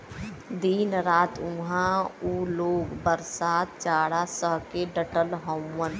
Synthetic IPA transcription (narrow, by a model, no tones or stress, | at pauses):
d̪iːnɾaːt̪ũɦãuːloːɡbəɾsaːt̪̚t͡ʃaːɽasəɦkeɖəʈəlɦõmːən